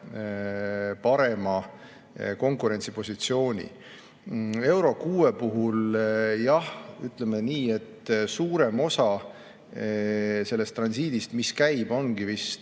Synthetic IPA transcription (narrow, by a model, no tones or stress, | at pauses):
pɑɾe̞mɑ | ko̞ŋkuɾe̞nʲt̪sipo̞sit̪sio̞ːnʲḭ | e̞wɾo̞kuːepuɦuljɑhy̰t̪ˑle̞meniːe̞t̪ːsuːɾe̞mo̞sɑ | se̞lːe̞st̪ːrɑnsiːd̪̥ist̪miskæjb̥o̞nɡ̥ivis